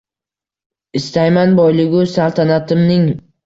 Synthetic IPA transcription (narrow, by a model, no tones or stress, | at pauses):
ɪst̪ajmanbɒjlɪɡʲʊsalt̪ʰanat̪ʰɪmnɪŋ